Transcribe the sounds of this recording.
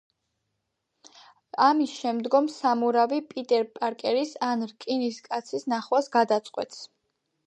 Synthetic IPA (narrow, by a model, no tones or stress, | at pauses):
amisʃɛmd̪ɡɔmsamuɾavipʼit̪ʼɛɾpʼaɾkʼɛɾisanɾkʼiniskʼat̪sʰisnaχwasɡad̪at̪sʼqʼwɛ̰t̪ʰs